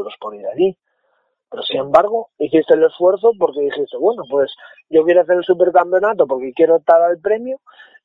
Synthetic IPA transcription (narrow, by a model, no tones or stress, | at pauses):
ɾo̞spo̞ɾiɾaʎi | pe̞ɾo̞sinẽ̞mbaɾɣ̞o̞iθist̪e̞le̞sfwe̞ɾθo̞po̞ɾke̞ðixist̪eβwe̞no̞pwe̞s | ɟ͡ʝo̞kjeɾoaθeɾelsupe̞ɾkampjonat̪o̞po̞ɾke̞kje̞ɾot̪ːaɾalpɾe̞mju